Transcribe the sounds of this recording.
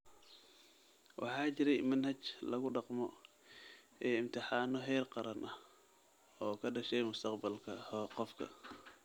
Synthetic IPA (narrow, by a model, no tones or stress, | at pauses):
wʔɑ̰ħɑːt͡ʃɪɾɛjmɐnhɐt͡ʃlɐɣʊɖɑqmɔ | ʔɛːɪmt̪ʰɪħɑːnɔɦɛːrqɑɾɐnʔɐh | ɔːkʰɐɖɐʃɛjmʊst̪ʰɐqbɐlkʰɐhqɔfkʰɐ̰